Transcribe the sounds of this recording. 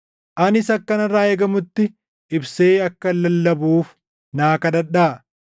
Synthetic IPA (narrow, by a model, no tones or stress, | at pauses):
ʔɐnɪsɐkːɐnɐraːeːɡɐmʊt̪ːɪ | ɪbseːɐkːɐlːɐlːɐbuːf | naːkɐᶑɐᶑaː